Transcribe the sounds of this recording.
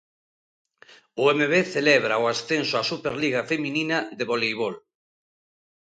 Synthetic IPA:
ʊemeβeθelɛβɾaoasθensʊasupeɾliɣafemĩninaðeβolejβ̞ol

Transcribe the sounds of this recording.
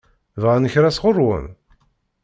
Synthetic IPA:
vʁanəçɾæsʁʊrˤwə̰m

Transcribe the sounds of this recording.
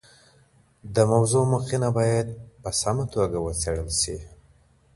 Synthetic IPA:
d̪əmawzomuqinabɑjad̪̚pəsamat̪oɡawət͡seɽəlʃi

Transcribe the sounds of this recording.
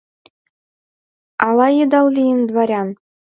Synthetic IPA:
ɑlˠɑjɤ̆d̪ɑllʲijɘnd̪ʋɑɾʲɑn

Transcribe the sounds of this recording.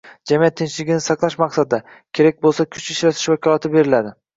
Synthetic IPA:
d͡ʒamijat̪ʰːɪnt͡ʃlɪɡʲɪnɪsɑqlˠaʃmɑqsad̪ɪd̪a | kʲʰe̞ɾak̚ʲbolˠsakʲʰʊt͡ʃɪt͡ʃɾat̪ʰɪ̥ʃvakʲʰɒlˠat̪ʰɪbe̞ɾɪlad̪ɪ

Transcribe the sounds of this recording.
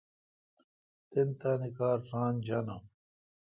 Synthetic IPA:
t̪int̪aːnikaːɾfaːnd͡ʑɐnɐ̰m

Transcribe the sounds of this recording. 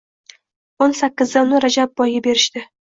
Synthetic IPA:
onsakʲːɪzd̪anɪɾad͡ʒab̚bɒjɡabe̞ɾɪʃt̪ɪ

